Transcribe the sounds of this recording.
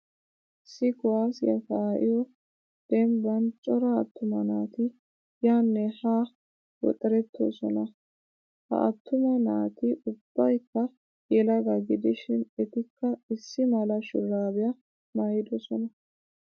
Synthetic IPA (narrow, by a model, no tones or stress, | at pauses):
ʔɪsːɪkʊwaːsjɐt̪aːʔɪjɔ | d̪̥ɛmbɐnt͡ʃʼɔɾɐːt̪ːʊmɐnaːt̪ɪ | jaːnːɛhaː | wɔ̰t̪ʼɛɾɛt̪ːo̰ːsɔnɐ | hɐ̰ʔɐt̪ːʊmɐnaːt̪ɪʊb̥ːɐjkːɐ | jɛlɐɡɐɡɪd̪ɪʃɪnɛt̪ɪkːɐɪsːɪmɐlɐʃɪ̰raːbɪjɐ | mɐjɪd̪ɔsɔnɐ